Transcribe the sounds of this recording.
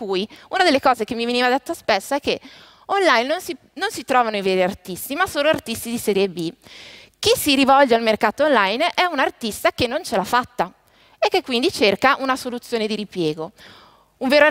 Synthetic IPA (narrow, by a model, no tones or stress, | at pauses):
kujunad̪elːekɔːzek̟emːiveniːvad̪et̪ːaspesːaɛkːe | onlajnːonsi | nonsit̪ɾɔːvanoiveːɾiart̪ist̪imasoːloart̪ist̪id̪isɛːɾjebi | k̟isːiɾivɔld͡ʒealmerkaːt̪oonlajnɛunart̪ist̪ak̟enːont͡ʃelafːat̪ːa | ekːekːwind̪it͡ʃerkaʔunasolut̪sjoːned̪iɾipjɛːɡo | uɱveːɾoa